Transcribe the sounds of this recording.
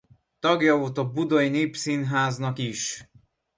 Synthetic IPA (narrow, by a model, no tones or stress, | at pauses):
t̪ɒɡjɒoːt̪ɒbud̪ojineːpsinɦaːznɒkiʃ